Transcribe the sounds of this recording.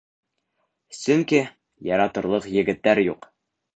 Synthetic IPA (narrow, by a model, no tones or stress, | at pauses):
sɵŋki | jɑɾɑt̪ɤ̆ɾlˠɤqjɘ̆ɡɘ̆t̪ːæɾjuq